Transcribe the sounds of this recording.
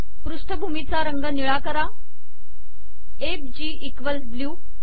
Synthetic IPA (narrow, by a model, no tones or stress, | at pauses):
pɾuʂʈʰəbʱumit͡saɾəŋɡəniɭakəɾa | eb̚d͡ʑiːʔikʋəlsbljuː